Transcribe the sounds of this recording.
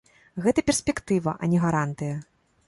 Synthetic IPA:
ɣɛt̪ɐpʲɛrsʲpʲɛkt̪ɨvɐʔɐ̰nʲɛɣaɾant̪ɨjɐ

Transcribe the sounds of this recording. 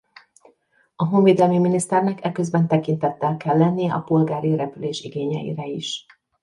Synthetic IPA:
ɒɦoɱveːd̪ɛlmiminist̪ɛrnɛkɛkøzbɛnt̪ɛkint̪ɛt̪ːɛlkɛlːɛnːijɛʔɒ̰po̞lɡaːɾiɾɛpyleːʃiɡeːɲɛ̰ḭɾɛiʃ

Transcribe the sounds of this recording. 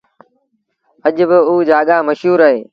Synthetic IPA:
əʄbɪuːd͡ʒaːɠaːməʃɦuːɾaːɦeː

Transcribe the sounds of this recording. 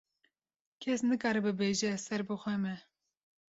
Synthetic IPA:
kʰɛsnɨkɑːɾɨbɨbeːʒɛsɛɾbɨxʷɛmɛ

